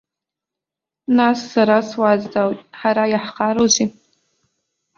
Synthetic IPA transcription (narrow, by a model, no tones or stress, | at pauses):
nasːaɾaswazdawtʲʼħaɾajaħqʰaɾozi